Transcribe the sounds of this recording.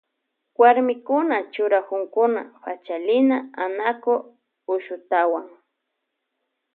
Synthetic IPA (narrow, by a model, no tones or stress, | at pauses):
waɾmɪkʊnat͡ʃʊɾakʊŋkʊna̰ɸat͡ʃalɪnaanako | ʊʃʊt̪awaŋ